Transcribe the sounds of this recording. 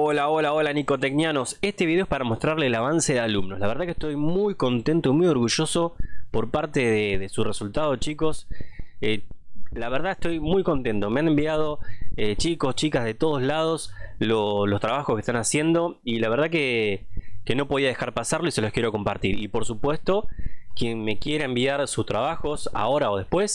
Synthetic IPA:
olaolaolaniko̞t̪eknjano̞sest̪eβiðeoespaɾamo̞st̪ɾaɾleːlaβanse̞ðealumno̞slaβ̞eɾðakeht̪o̞jmujko̞nt̪e̞nt̪oimujo̞ɾɣuʒo̞so̞poɾpaɾt̪eðeðesuresult̪að̞ot͡ʃiko̞selaβ̞eɾðaeht̪o̞jmujko̞nt̪e̞nt̪o̞me̞ane̞mbiað̞o̞et͡ʃiko̞st͡ʃikazðe̞t̪o̞ð̞ozlað̞o̞slolo̞st̪ɾaβ̞axoskeht̪anasje̞nd̪o̞ilaβe̞ɾð̞ake | ke̞no̞po̞ðiað̞e̞xaɾpasaɾlo̞ise̞lokje̞ɾo̞ko̞mpaɾt̪iɾḭpo̞ɾsupwe̞st̪o̞kje̞nme̞kje̞ɾaembiaɾsust̪ɾaβaxo̞sa̰o̞ɾao̞ð̞e̞hpwe̞s

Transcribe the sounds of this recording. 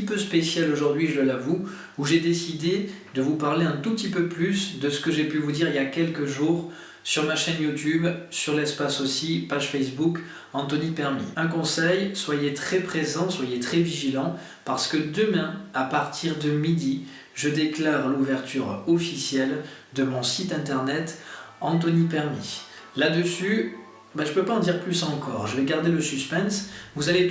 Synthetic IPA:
ipøspesjaloʒuʁd̪ɥiʒələlavu | uʒed̪esid̪ed̪əvupaʁleɛ̃t̪upət̪ipøplysd̪əsə̥kəʒepyvud̪iʁiljakʲɛlkəʒuːʁ | syʁmaʃɛnjut̪ybsyʁlɛspasosipaʒfɛs̬buk | ɑ̃t̪ɔnipɛʁmḭɛ̃kɔ̃sɛjswajet̪χɛpχezɑ̃swajet̪χɛviʒilɑ̃ | paʁsə̥kəd̪əmɛ̃apaʁt̪ʰiʁd̪əmid̪i | ʒəd̪eklaʁluvɛʁt̪ʰyʁɔfisjɛl | d̪əmɔ̃sit̪ɛ̃t̪ɛʁnɛt̪ɑ̃t̪̬ɔnipɛʁmi | lad̪əsy | bɛʒəpøpaɑ̃d̪iʁplysɑ̃kɔ̰ʁʒəvɛɡaʁd̪eləsyspɛ̃nsvuzale

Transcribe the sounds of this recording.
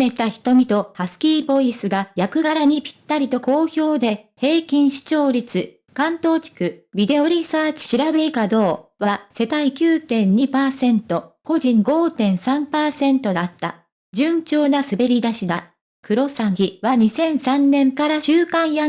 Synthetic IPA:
e̞t̪açi̥t̪o̞mʲit̪o̞hasɨ̥kʲiːbo̞isɨɡajakɯ̟ɡaɾaɲ̟ipʲi̥t̪ːaɾʲit̪o̞ko̞ːço̞ːd̪e̞he̞ːkʲĩɰ̃ɕi̥t͡ɕo̞ːɾʲit͡sɨ | kãnt̪o̞ːt͡ɕi̥kɯ̟bʲid̪e̞o̞ɾʲisaːt͡ɕi̥ɕiɾabe̞ikad̪o̞ːβase̞t̪aikʲɨːt̪ẽ̞ɲ̟ɲipaːsẽ̞nt̪o̞ko̞ʑĩŋɡo̞ːt̪ẽ̞ɰ̃sãmpaːsẽ̞nt̪o̞d̪at̪ːa̰ | d͡ʑɨ̃ɲt͡ɕo̞ːnasɨbe̞ɾʲid̪aɕid̪a | kɯ̟ɾo̞saɡʲiβaɲ̟isẽ̞ɰ̃sãnːẽ̞ŋkaɾaɕɨːkãɰ̃ja

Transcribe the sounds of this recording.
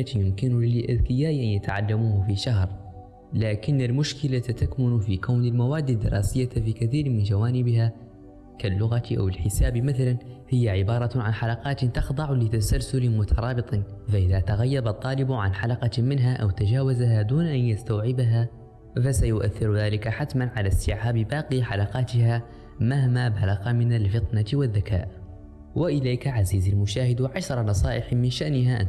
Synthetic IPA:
at̪jʊmkɪnʊlɪlʔa̰ðkɪjaːʔʔanjat̪aʕa̰lːamuːhfiʃaɦɾ | laːkɪnːalmʊʃkɪlat̪akmʊnfikaːnɪlmawaːd̪ːɪd̪ːɪ̰ɾˤɑːsɪjːafikɪθiːɾmɪnd͡ʒawaːnɪbɦa | kalːʊɣaʔa̰wɪlħɪsaːbimaθalanhɪjːaʕɪbɑːɾˤɑʕanħalɑqɑːt̪t̪ɪxd̪ˤɑʕlɪt̪asalsʊlɪmʊt̪ʰɑɾˤɑːbɨt̪ˤɑnfaʔɪðat̪aɣajːabɑt̪ˤːɑːlɪbʕa̰nħalaqɑmɪnɦaʔawt̪ad͡ʒaːwazaɦad̪uːnʔanjast̪awʕɪbaɦa | fasajʊʔaθːɪɾðaːlɪkaħat̪manʕalasɪʕabɪbɑːqiħalɑqɑːt̪ɪha | mahmabalaɣmɪnalfɨt̪ˤnawɪðːaka̰ːʔ | wɪʔɪlajkaʕaziːzalmʊʃaːhɪd̪wʕaʃɾˤɑnɑsˤɑːʔɪħmɪnʃaʔnɪɦaʔa̰n

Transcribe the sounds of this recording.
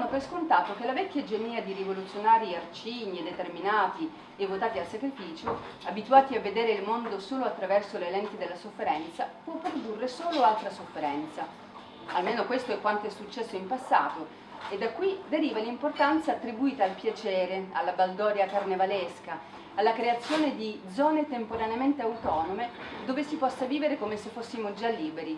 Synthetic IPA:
nːopɾeskont̪aːt̪ok̟elavɛkʲːjad͡ʒeniːad̪iɾivolut̪sːjonaːɾiart͡ʃiːɲːied̪et̪erminaːt̪i | evːot̪aːt̪ialsakɾifiːt͡ʃo | abit̪uaːt̪iavːed̪eːɾeilmond̪osoːloat̪ːɾavɛrsolelɛnt̪id̪elːasofːeɾɛnt̪sapwɔpːɾod̪urːesoːloalt̪ɾasofːeɾɛnt̪sa | almeːnokwest̪oɛkːwant̪oɛsːut͡ʃːɛsːoimpasːa̰ːt̪o | ed̪ːakːwid̪eɾiːvalimport̪ant̪saːt̪ːɾibuiːt̪aːlpjat͡ʃɛːɾealːabald̪ɔːɾjakarnevaleska | alːakɾeat̪sːjoːned̪id̪zɔːnet̪empoɾaneament̪eawt̪ɔːnomed̪oːvesipɔsːaviːveɾekomesefːosːimod͡ʒalːiːbeɾi

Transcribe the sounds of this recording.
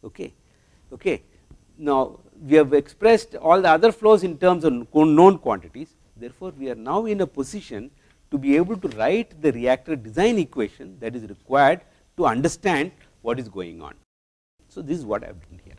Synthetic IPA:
oːkḛ | oːke | naʊ | ʋiɛʋekspɾesʈɔːld̪əɐd̪əɾfloːzɪ̃nʈəɾmsɔʋkõnnõːnkwɔ̰̃ɳʈɪʈiz | d̪eɾfoːɾʋiaɾnaʊɪ̃nepozɪʃə̃n | ʈubieːbəlʈuɾaɪʈd̪əɾiæk̚ʈəɖɪzãɪ̃nikʋeːʃə̃nd̪æʈizɾɪkwaɪəɾɖ | ʈuɐ̃ɳɖəɾsʈæ̃ɳɖ̚ | ʋɔːʈɪzɡo̰ːɪ̰̃ŋɔ̰̃ːn | soːd̪ɪsɪzʋɔ̰ːʈa̰ɪʋɖʌ̃nhḭəɾ

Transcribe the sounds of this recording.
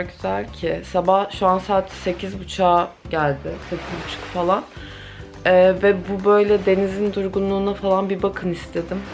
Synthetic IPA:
ɟyzælʲcʰɪsabahʃuansaːt̪ʰse̞cʰizbut͡ʃʰaːɟælʲd̪ɪsʰepʰibut͡ʃkfalˠan | ɛːvɛbubø̞jlʲɛd̪e̞nizind̪uɾɡunlˠuːnafalˠanbibakʰɯnist̪ʰe̞d̪im

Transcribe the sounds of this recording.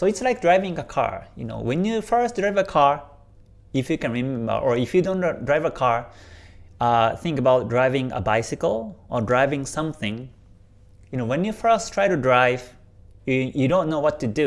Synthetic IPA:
soɪtslaɪk̚dɹaɪvɪ̃ŋəkʰa̰ɹjṵno̰wɛ̃njufɜ˞sdɹaɪvəkʰaɹ | ifjukɛ̃nɹimɛ̃mbə̰˞ʔɔifjudõndɹaɪvəkʰaɹ | ʌθɪ̃ŋkəbaʊt̚dɹaɪvɪ̃ŋə̰baɪsɪkəlˠʔɔdɹaɪvɪ̃ŋsʌ̃mθɪ̃ŋ | junowɛ̃njufɜ˞stʰɹ̥ajɾudɹaɪv̥ | jujudõnːowɔtːudu

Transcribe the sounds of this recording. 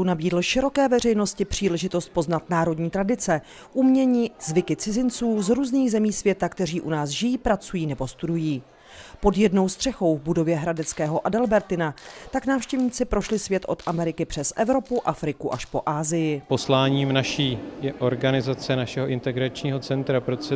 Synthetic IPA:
unabiːdl̩ʃɪɾo̞kɛːvɛrɛjno̞scɪpr̥iːlɛʒɪt̪o̞st̪̚po̞znat̪naːɾo̞dɲiːt̪ɾadɪt͡sɛ | ʔumɲɛɲiːzvɪkɪt͡sɪzɪnt͡suːzɾuːzniːɣzɛmiːsvjɛt̪akt̪ɛriːʔunaːsʒɪjiːpɾat͡sujiːnɛbo̞st̪udujiː | po̞djɛdno̞wst̪r̥ɛxo̞wvbudo̞vjɛɦɾadɛt͡skɛːɦo̞ʔadɛlbɛɾt̪ɪnat̪aknaːfʃcɛvɲiːt͡sɪpɾoʃlɪsvjɛt̪ʔo̞t̪ʔamɛɾɪkɪpr̥ɛsʔɛvɾo̞puʔafɾɪkuʔaʃpo̞ʔaːzɪjɪpo̞slaːɲiːmnaʃiːʔoɾɡanɪzat͡sɛnaʃɛɦoʔɪnt̪ɛɡɾat͡ʃɲiːɦo̞t͡sɛnt̪ɾapɾot̪sɛ

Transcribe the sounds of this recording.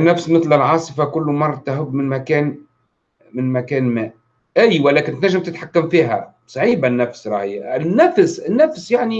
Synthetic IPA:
nːæfsmɪθlɪlʕɑːsˤɨfakʊlːmɑrˤːɑt̪aɦʊbːmɪnmækæːn | mɪnmækæːnmæːʔ | ʔæjːwælɛːkɪnt̪næʒːɪmt̪ɪt̪ħakːamfiːɦæ̰ | sˤɑʕiːbanːæfsɾˤɑːhɪjɪnːæfsɪnːæfsjaʕni

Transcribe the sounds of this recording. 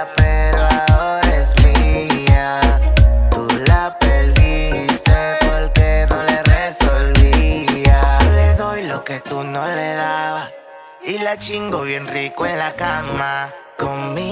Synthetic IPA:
peɾoaoɾezmia | t̪ulapelisapwoelkeðoleresolβiialeðojloket̪unoleðaβa | ilat͡ʃiŋɡoβjenrikoenlakama | kommi

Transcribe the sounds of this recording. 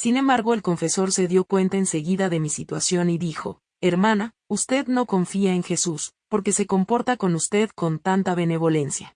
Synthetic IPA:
sinẽ̞mbaɾɣo̞elko̞ɱfe̞so̞ɾse̞ðjo̞kwe̞nt̪aense̞ɣiðaðe̞misit̪wasjo̞niðixo̞̰ | e̞ɾmãna | ust̪e̞ðno̞ko̞ɱfiaeŋxe̞suspo̞ɾke̞se̞ko̞mpo̞ɾt̪ako̞nust̪e̞ðko̞nt̪ant̪aβe̞ne̞β̞o̞le̞nsja̰

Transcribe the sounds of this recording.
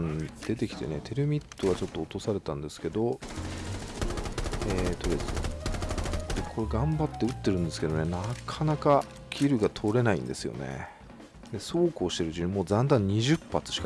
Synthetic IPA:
nd̪̥e̞t̪̬e̞kʲi̥t̪ene̞t̪ʰe̞ɾɯ̟mʲit̪ːo̞βat͡ɕo̞t̪ːo̞ːt̪o̞saɾe̞t̪ãnd̪e̞sɨ̥ke̞d̪o̞ | et̪o̞d̪esɨo̰ | d̪̥e̞kʰo̞ɾe̞ɡãmbat̪ːe̞ɯ̟t̪ːe̞ɾɯ̟̃nd̪e̞sɨ̥ke̞d̪o̞nenakʰanaka | kʲʰiɾɯ̟ɡat̪ʰo̞ɾe̞naḭ̃nd̪e̞̰sɨjo̞̰nḛ | d̪e̞so̞ːkoːɕi̥t̪e̞ɾɯ̟ʑĩmoːzãnd̪ãɲ̟ːiʑɨpːat͡sɨ̥ɕi̥ka

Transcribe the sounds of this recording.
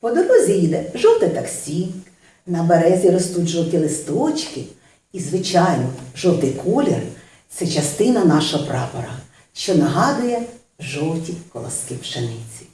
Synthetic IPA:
pɔd̪ɔɾɔzʲijid̪ɛʒɔwt̪ɐt̪ɐksʲi | nɐbeɾɛzʲiɾɔst̪utʲʒɔw̪tʲilˠɪst̪ɔt͡ʃkɪ | izʋɪt͡ʃɑjnɔʒɔwt̪ɪjkʰɔlʲɪ̰r | t̪sɛt͡ʃɐst̪ɪnɐnɑʃɔɦɔpɾʔɑpɔɾɐ | ʃt͡ʃɔnɐɦɑd̪ɐjɛ | ʒɔw̪ˠtʲikɔlˠɔ̰skipʃenɪt͡sʲi̥

